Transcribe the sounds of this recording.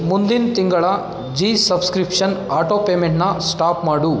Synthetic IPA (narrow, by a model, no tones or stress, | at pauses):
mund̪int̪iŋɡɐɭɐ | d͡ʒiːsɐbskɾipʂɐnaːʈoːpeːmeɳʈnɐsʈaːpmaːɽu